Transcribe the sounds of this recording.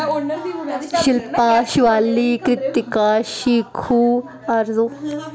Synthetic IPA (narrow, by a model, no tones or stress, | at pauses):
ʃɪlpaːʃʋaːliːkɾɪt̪ːikaːʃikʰuː | ɐɾzoː